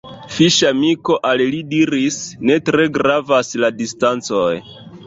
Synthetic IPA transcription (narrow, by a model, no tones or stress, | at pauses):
fiʃamiko̞ʔallidiɾisne̞tɾe̞ɡɾavasladistant͡soj